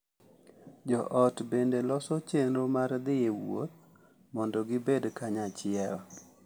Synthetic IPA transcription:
d͡ʒɔʔɔtbendelɔsɔt͡ʃenɾomaɾd̪ɪewo̰t̪̚ | mɔndɔɡɪbedkaɲat͡ʃɪɛlɔ

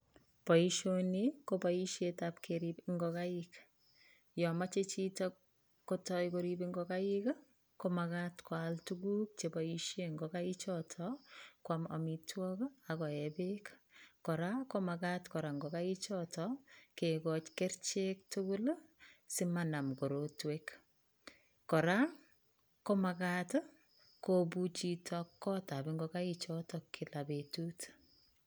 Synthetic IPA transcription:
pɔiʃonikopaiʃetapkʰeɾipŋɡɔkaik | jɔmat͡ʃet͡ʃitɔ | kotɔjkoɾibiŋɡɔkajik | komakatkwaltuɡuk̚t͡ʃepɔiʃjeŋɡɔkait͡ʃɔtʰɔkwamɔ̰mitwɔkakɔɛbekkɔɾakɔmakatkɔɾaŋɡɔkait͡ʃɔtʰɔkekɔt͡ʃkeɾt͡ʃek̚tuɡʊlsimanamkoɾotwek | kɔɾa | kɔmakat | kobut͡ʃitʰɔkːɔtabiŋɡɔkait͡ʃɔtɔkʰilabetut

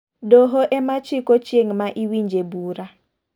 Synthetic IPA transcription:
doɦoʔɛmat͡ʃɪkot͡ʃeŋmaʔiwiɲd͡ʒebuɾa

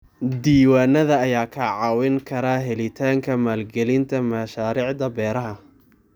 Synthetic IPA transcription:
d̪iːwaːnɐðɐːjaːkʰɐʕɑːwɪŋkʰɐɾaːɦɛlɪt̪ʰaːŋkʰɐmaːlɡɛlɪnt̪ʰɐmɐʃaːɾiːʕd̪ɐbɛːɾɐɦɐ

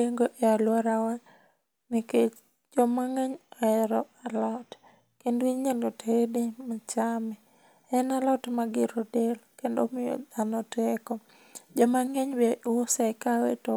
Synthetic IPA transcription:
eŋɡoʔealwaɾawa | nɪket͡ʃ | d͡ʒɔmaŋeɲɔɛɾɔalɔt | kendiɲalotedemat͡ʃamɛ | ɛnalɔtmaɡɪɾodelkendo̰mɪjɔ̰d̪anɔtɛkɔ | d͡ʒɔmaŋeɲbɛʔwosakawḛto

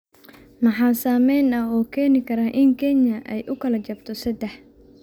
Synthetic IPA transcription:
mɑħɑːsaːmɛjnɐɦɔːkʰɛːnɪkʰɐɾaːʔɪŋkʰɛnjɐʔɛjʔʊkʰɐlɐt͡ʃɐbt̪ʰɔsɐd̪ɛħ

